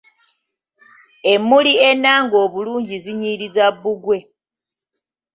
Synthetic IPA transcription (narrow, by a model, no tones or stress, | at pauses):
e̞mːulie̞naːŋɡo̞ːβuluːɲɟiziɲiːɾizaβːuɡwe̞